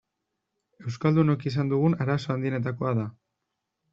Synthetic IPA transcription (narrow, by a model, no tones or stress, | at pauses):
e̞wskald̪uno̞kisand̪uɣ̞unaɾaso̞and̪iene̞t̪ako̞aða